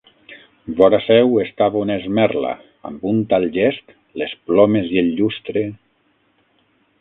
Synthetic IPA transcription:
bɔɾasɛwest̪aβunezmɛɾla̰ | a̰mbunt̪alˠʒɛst̪ | lesplɔmezielːʎust̪ɾe

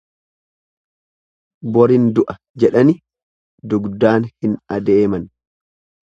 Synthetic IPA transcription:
bɔɾɪnd̪ʊʔɐ | d͡ʒɛᶑɐnɪ | d̪ʊɡd̪aːnhɪnɐd̪eːmɐn

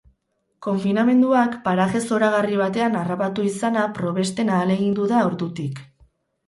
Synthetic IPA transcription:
ko̞ɱfiname̞nd̪uakpaɾaɣe̞so̞ɾaɣ̞ariβ̞at̪e̞anarapat̪uisanapɾo̞βe̞st̪e̞naːle̞ɣind̪uðaoɾdut̪ik

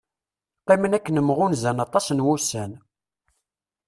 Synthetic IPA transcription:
qːemənækːənəmːʁʊnzænɑt̪ˤɑsnwusæn

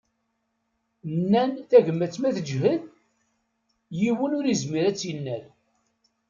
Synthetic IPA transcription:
nːænθæʝəmːæt͡sːmæθəd͡ʒɦəð | jiwənʊɾizmiɾæt͡sːjənːæl

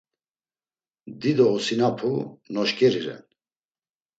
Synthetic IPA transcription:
d̪id̪ɔusinapʰunɔʃkʼɛɾiɾɛ̰n

